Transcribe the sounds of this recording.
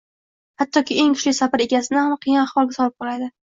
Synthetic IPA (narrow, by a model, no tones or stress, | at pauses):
hat̪ʰːɒkʲɪe̞ŋkʰʊ̥ʃlɪjʲsapɪɾe̞ɡʲasɪnɪhamqʰijɪnaχwɒlˠɡʲasɒlɪp̚qʰɒlad̪ɪ